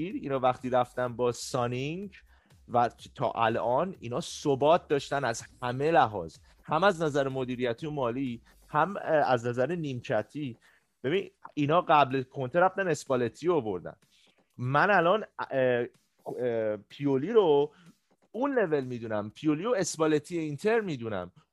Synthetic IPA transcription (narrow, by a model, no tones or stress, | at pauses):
iːɾiːnɒːvæxt̪iːɾæft̪ænbɒːsɒniŋɟ | væt̪ʰɒ̰ːʔæ̰lɒːnḭːnɒːsobɒːt̪̚d̪ɒːʃt̪ænæzhæme̞læɦɒ̰ːz | hæmæznæzæɾemod̪iːɾijæt̪ʰiomɒːliː | hæmæ̰znæzæɾeniːmcʰæt̪ʰiː | b̥e̞biniːnɒːɢæblekʰont̪ʰeɾæft̪æne̞sbɒle̞t̪ʰiovo̞ɾd̪æ̰n | mænælɒːn | pʰioliːɾo | unle̞ve̞lmiːd̪unæmpʰioliːoe̞sbɒlet̪ʰijeint̪ʰe̞ɾmiːd̪unæ̰m